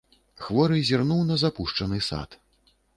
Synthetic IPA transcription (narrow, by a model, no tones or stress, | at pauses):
xvɔɾɨjzʲirnuwnɐzapuʂt͡ʂɐnɨsa̰t̪